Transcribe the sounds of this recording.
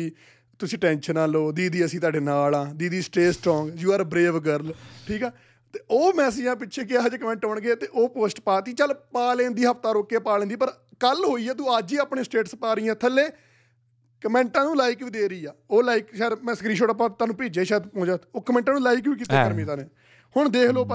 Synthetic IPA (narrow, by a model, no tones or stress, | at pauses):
iː | t̪ʊsĩːʈɛ̃ːnʃənãːloːd̪iːd̪iːəsĩːt̪̬aːɖeːnaːlãːd̪iːd̪iːsʈeːsʈɾɔ̃ːŋɡd͡ʒuːaːɾbɾeːʋɡəɾlʈʰiːkɛː | t̪eːoːmɛːsɪd͡ʒãːpɪːʃʰeːkɪd͡ʒeːkəmɛ̃ːɳʈɦoːɳɡet̪eːʔoːpoːsʈpaːt̪iːt͡ʃəlpaːlẽːnd̪iːɦəpʰt̪aːɾoːkːeːpaːlẽːnd̪iːpəɾ | kəlɦoːiːɛːt̪̬uːaːd͡ʒiːaːpɳeːsʈeːʈspaːɾiːãːt̪ʰəlːeː | kəmɛ̃ːɳʈãːnũːlaːɪiːkʋiːd̪eːɾəiːaːoːlaːiːkʃɛːɾmɛ̃ːsəkɾiːʃoːʈapaːt̪ːaːnũːpiːd͡ʒeːʃɛːd̪põːd͡ʒaːoːkəmɛ̃ːɳʈãːnũːlaːiːkʋiːk̬iːt̪eːkəɾmĩːt̪aːneː | hʊɳd̪eːkʰloːpə